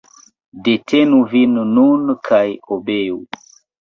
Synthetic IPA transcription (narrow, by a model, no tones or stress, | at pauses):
de̞tʰenuvinːunkʰajobeu